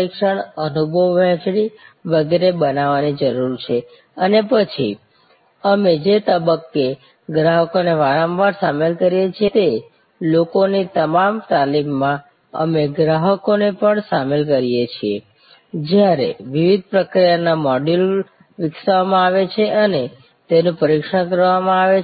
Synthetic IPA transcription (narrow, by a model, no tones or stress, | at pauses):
ikʃəɳənubʱəʋːɛ̃t͡ʃɽiʋəɡeɾebənaʋanid͡ʒəɾuɾt͡ʃʰe | ənepət͡ʃʰḭ | əmed͡ʒet̪əbəkːe | ɡɾaɦəkoneʋaɾãmʋaɾsamelkəɾijet͡ʃʰiet̪e | lokonit̪əmamt̪alimːã | ə̰meɡɾaɦəkonepəɳsamelkəɾijet͡ʃʰie | d͡ʒjaɾḛʋiʋid̪̚ʱpɾəkɾijanamɔɖul | ʋɪksʋamãaʋet͡ʃʰeʔəne | t̪enũpəɾikʃəkəɾʋamãaʋe